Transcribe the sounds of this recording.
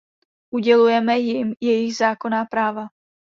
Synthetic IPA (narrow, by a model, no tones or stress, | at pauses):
ʔuɟɛlujɛmɛjɪmjɛjɪɣzaːko̞naːpɾaːva